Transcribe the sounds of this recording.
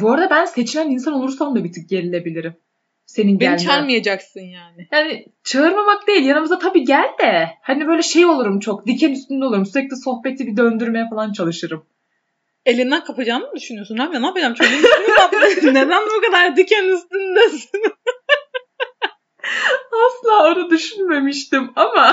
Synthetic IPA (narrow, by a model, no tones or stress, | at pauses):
buoɾad̪abænse̞t͡ʃʰilʲæninsano̞lˠuɾsamd̪ˠabit̪ʰyc̚ɟe̞ɾilʲe̞bilʲiɾim | se̞ninɟeælʲt͡ʃaɾmajad͡ʒaksɯnjaːnɪjaːnɪ | t͡ʃʰaɯɾmamak̚d̪e̞jilʲjanɯmɯzat̪ʰabiːɟælʲd̪ɛhanibø̞jlʲɛʃe̞jo̞lˠuɾumt͡ʃʰokd̪icʰɛnyst̪ynd̪ʲɛolˠuɾumsyɾɛc̚lʲɛso̞xpe̞t̪ʰibid̪ø̞nd̪yɾme̞jɛfalˠant͡ʃʰalˠɯʃɯɾɯm | e̞lʲind̪ænkʰapʰad͡ʒaːnɯd̪yʃynyjo̞sunhamjanapad͡ʒamt͡ʃʰoimnaned̪ænbukad̪aɾd̪icʰɛnyst̪ynd̪ɛs | aslˠaːonud̪yʃynme̞miʃt̪imama